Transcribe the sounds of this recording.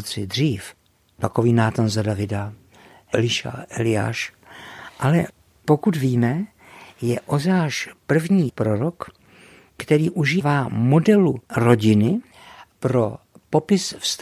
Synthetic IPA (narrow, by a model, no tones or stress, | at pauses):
t͡sɪd̪r̝iːf | t̪akoviːnaːt̪anzadavɪda | ɛlɪʃa̰ʔɛlɪja̰ːʃ | ʔalɛ | po̞kut̪viːmɛ | jɛʔozɛaːʃpr̩vɲiːpɾoɾok | kt̪ɛɾiːʔuʒiːvaːmo̞dɛluɾo̞ɟɪnɪ | pɾo̞ | po̞pɪsfst̪